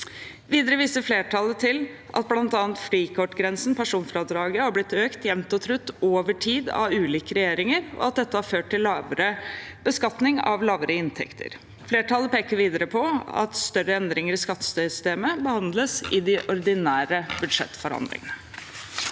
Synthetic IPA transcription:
ʋiːd̪əɾəʋiːsəfleːʈʰɑlːət̪ʰɪl | ʔɑ̰t̪̚blɑnt̪ɑːnt̪fliːkʰɔʈːɡɾɛnsn̩pʰæʂuːnfɾɑːd̪ɾɑːɡəhɑɾblɪt̪ːøːkt̪jɛʋnt̪ɔt̪ʰɾʉt̪ːoːʋəʈʰiːd̪ɑ̰ʉːliːkəɾɛjeːɾɪŋəɾɔ̰ɑt̪̚d̪ɛt̪ːəhɑɾføːʈ̚ʈɪllːɑːʋəɾəb̥əskɑt̪nɪŋɑ̰ʋlɑːʋəɾəɪnt̪ʰɛ̰kt̪ʰə̰ɾ | fleːʈɑlːəpeːkəɾʋiːd̪əɾəpʰɔɑ̰t̪st̪œɾəɛnd̪ɾɪŋəɾɪskɑt̪ːə̥st̪œʏsʏ̥st̪eːməbəhɑnd̪ləsɪd̪ɪʔɔɾd̪ɪnæːɾəbʉd̪ʂɛ̰t̪ːfɔɾɑ̰nd̪lɪ̰ŋənə

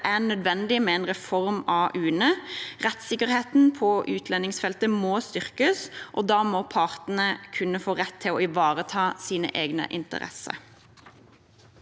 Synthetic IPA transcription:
ʔænœd̪ʋɛnd̪ɪmɛɛnʁɛfɔʁmɑʔʉːnəʁɛt̪sɪkːəʁheːt̪n̩pʰɔʔʉːt̪ʰlɛnɪŋsfɛlt̪əmoːst̪ʏʁkəsʔɔd̪ɑːmɔpʰɑːʁt̪n̩əkʰʉnːəfoːʁɛt̪ʰːɪlɔɪʋɑːʁət̪ʰɑːsiːnə̰ʔeːɡnə̰ʔɪ̰nt̪ə̰ʁɛ̰sə̰

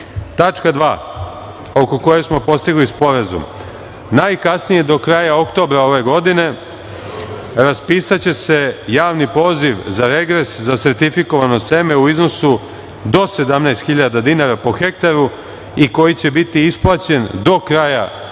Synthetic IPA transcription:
t̪at͡ʃkad̪ʋa̰ː | o̞ko̞ko̞jesmo̞po̞st̪iɡlispo̞ɾazṵm | najkasnije̞d̪o̞kɾaːjao̞kt̪o̞ːbɾao̞ʋe̞ɡo̞d̪ine̞ | ɾaspiːsat͡ɕe̞se̞jaːʋnipo̞ːziʋzaɾe̞ɡɾe̞szaseɾt̪ifiko̞ʋano̞semeuizno̞su | d̪o̞se̞d̪amnejst̪xiʎad̪ad̪inaɾapo̞xe̞kt̪aɾu | iko̞jit͡ɕe̞bit̪iisplˠat͡ɕe̞nd̪o̞kɾaːja

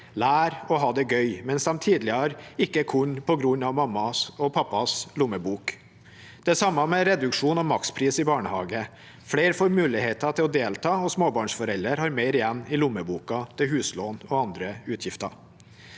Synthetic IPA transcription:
læːɾɔɦɑːd̪ɛɡœʏmɛnsɑmt̪ʰiːd̪lɪhɑɾɪkːəkʰʊɲpʰɔɡɾʉɲɑʋmɑmːɑɔpʰɑpːɑslʊməbuːk | d̪̥ɛsɑmːɑmɛɾɛd̪ʉkʂuːnɔmɑkspʰɾiːsɪbɑːɳəhɑːɡə | fleːɾfoːɾmʉːlɪheːt̪ɑt̪ʰɪlɔd̪eːlt̪ʰɑːɔsmoːbɑːɳʂfɔɾɛləɾhɑːɾmeɪɾɪjɛnːɪlʊmːəbuːkɑt̪ʰɪɦʉːsloːnɔɑnd̪ɾəʉːt̪ʰjɪft̪ɑ̰

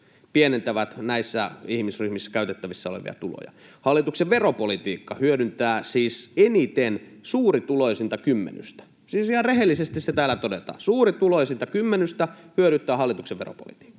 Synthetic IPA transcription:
pienent̪æʋæt̪næisːæihmisryhmisːæ̥kæyt̪et̪ːæʋisːæolḛʋḭɑ̰t̪ulo̰jɑ̰ | hɑlːˑit̪ukseʋʋeropolit̪iːkːɑhyøɾynt̪æːsiːsenit̪ensuːrit̪ulojsint̪ækymːḛny̰st̪æ̥ | siːsihɑrrehelːisest̪iset̪æːlːæt̪odet̪ɑ̰ːsuːrit̪ulojsint̪ækymːenyst̪æhyøɾynt̪ːˑæːhɑlːit̪ukseʋʋero̰po̰lit̪i̥ːkːɑ̥

